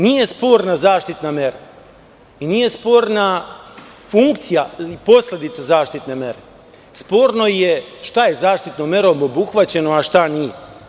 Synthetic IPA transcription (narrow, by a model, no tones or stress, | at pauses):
niːje̞spo̞ːɾnazaːʃt̪it̪name̞ɾa | iniːje̞spo̞ːɾna | fuŋkt̪sijaipo̞sle̞d̪it̪sazaːʃt̪it̪ne̞me̞ɾe̞ | spo̞ːɾno̞jeʃt̪aje̞zaːʃt̪it̪nomje̞ɾomobuxʋat͡ɕe̞noaʃt̪anije